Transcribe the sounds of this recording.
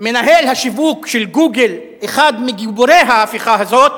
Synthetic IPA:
me̞naɦelhaʃivukʃelɡuɡel | eχad̪miɡiboɾejɦaːfiχaɦazo̞t̪

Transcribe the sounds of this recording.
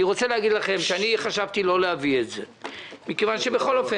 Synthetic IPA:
iʁo̞t͡seleaɡid̪laχe̞mʃeaniχaʃavt̪ilo̞lehavietze̞ | mikevanʃebeχo̞lofe

